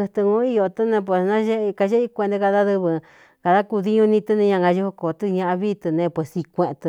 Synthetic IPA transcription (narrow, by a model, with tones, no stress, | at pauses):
ɨ˧t̪ɨ˧ŋũ˧˦i˦jo˧t̪ɨ˦nẽ˧p̬we˨snã˦ʒe˦˧ka˧ʒe˦i˧kʷẽ˧nd̪e˧ka˧ða˦ðɨ˧βɨ˧ | ka˧ða˦ku˧ði˧ɲũ˧nĩ˧t̪ɨ˧nĩ˧ɲã˧ŋɡa˧ʒu˧hu˧ko˨t̪ɨ˧ɲã˧ʔa˧βi˦t̪ɨ˧nẽ˧pwe˨si˧kʷẽ˧ʔt̪ɨ˧